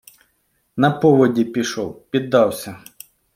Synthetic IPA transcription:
nɐpɔʋɔdʲipʲiʃɔwpʲid̪ːɑwsʲɐ

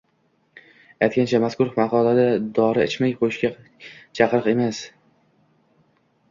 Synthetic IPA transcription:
ajt̪̚kʲant͡ʃʰamaskʊɾfmaqʰɒlad̪ad̪ɒɾɪɪt͡ʃmajqʰojɪʃkʲa | t͡ʃʰɑqɾɨqe̞mas

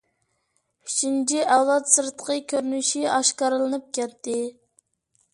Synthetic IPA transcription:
yt͡ʃint͡ʃʰiʔæwlˠɑt̪sɨɾt̪ʰə̥qʰəkʲʰøɾynyʃiɑʃkɑɾɨlˠɨnɨp̚kʲʰɛt̪ʰːɪ

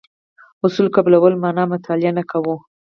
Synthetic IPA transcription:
ʊsulkablawəlmɑnɑmat̪ʰɑlɪjanakʰawu

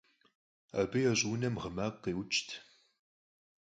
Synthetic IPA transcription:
a̰ːbɨjɛɕʼuːnɐmʁəmaːqːeːwʊt͡ʃʼtʰ

